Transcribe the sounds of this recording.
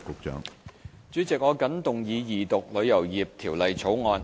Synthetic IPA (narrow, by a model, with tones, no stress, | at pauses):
kʊ˨˧k̚t͡ʃœ̰ː˨˥ŋ | t͡syː˨˥t͡sɪ˨k̚ŋɔː˨˧kɐ˨˥nt̪ʊ˨˩ŋjiː˨˧jiː˨˩t̪ʊ˨k̚lɵ˨˧ɥjɐ˨˩wjiː˨p̚t̪ʰiː˨˩wlɐ˨jt͡sʰo˨˥wŋɔː˨˧n